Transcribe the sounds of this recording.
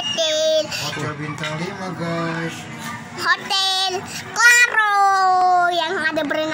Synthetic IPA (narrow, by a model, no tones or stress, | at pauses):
t̪ɛlt̪abint̪aŋlimaɡas | ɦot̪ɛl | klaɾo | jaŋadabəɾin